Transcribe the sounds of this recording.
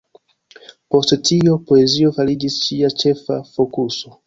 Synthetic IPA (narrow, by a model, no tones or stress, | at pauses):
po̞sttʰio̞po̞ezio̞faɾid͡ʒist͡ʃiat͡ʃe̞fa̰fo̞kuso̞